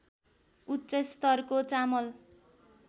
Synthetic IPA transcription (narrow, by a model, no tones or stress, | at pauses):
utːt͡sʌst̪ʌrkot͡samʌl